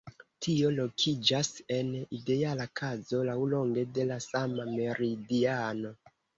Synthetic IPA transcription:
tʰio̞lo̞kʰid͡ʒase̞nide̞alakʰazo̞lawlo̞ŋɡe̞de̞lasamame̞ɾidiano̞

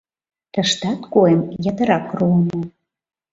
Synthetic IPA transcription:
t̪ə̆ʃt̪ɑt̪koemjɑt̪ə̆ɾɑkruəmə

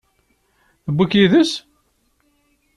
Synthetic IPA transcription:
θəbːəkiðəs

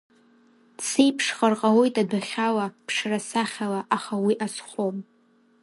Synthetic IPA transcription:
sejpʰʂχarqʼawojtʼadaχʲalapʰʂrasaχʲalaʔaχawiʔasχʷom

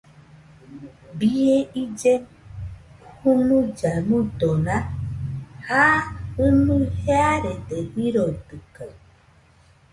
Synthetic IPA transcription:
bijeid͡ʒɛ | hunud͡ʒanutɔna | haɨnuhɛaɾɛtɛiɾɔdɨkə

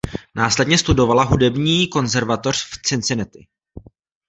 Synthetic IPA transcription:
naːslɛdɲɛst̪udo̞valaɦudɛbɲiːko̞nzɛɾvat̪o̞r̝̥ft͡sɪnt͡sɪnɛt̪ɪ̰

